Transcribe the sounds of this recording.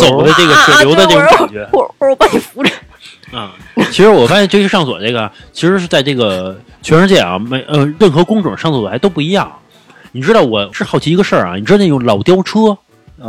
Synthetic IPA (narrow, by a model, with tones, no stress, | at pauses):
t͡so˨˩ʊd̪ə˦ʈ͡ʂɤ˥˩ɡə˩ʂwɛ˨˩ljo˧˥ʊd̪ə˧ɤ˥˩ʈ͡ʂʊ˧˥knt͡ɕɥɛ˧˥˧ɔ˥˩o˧˥pa˧˥t͡ɕʰi˨˧˩fu˧˥ʈ͡ʂə˧˩ | ə˧˩t͡ɕʰi˧˥ʂɻ̩˧˥wɔ˨˩fa˥jɛ˥˧nʈ͡ʂ̩ʰ˥˧˩ʂɑ˥˩ŋswɔ̰˨˩ʈ͡ʂe˥˩ɡə˩t͡ɕʰi˧˥ʂɻ̩˧˥ʂ̩˥˧t͡sa˥˧ɪʈ͡ʂɤ˥˩ɡə˩ | t͡ɕʰɥɛ˧˥nɻ̩˧˥t͡ɕjɛ˥˩ɐ̰˧˩me˧˩ɪʔə˧ɻə˥˩nxɤ˧˥kʊ˥ŋʈ͡ʂʊ̰˨˩˦ŋʂɑ˥˧ŋswɔ˨˩a˧˥ɪto˥ʊpu˥˧i˧˥jɑ̰˥˩ŋ | ni˨˩ʈ͡ʂɻ̩˥t̪ɑ˥˩ʊwɔ˨˩ʈ͡ʂɻ̩˥˧xɑ˥˩ʊt͡ɕʰi˧˥˧ɡə˧ʂə˞˥˩ɐ̰˩ni˨˩ʈ͡ʂ̩ɻ̩˥˩jʊ˥˩ŋlɑ˨˩ʊt̪jɑ˥ʊʈ͡ʂʰɤ˥˧˩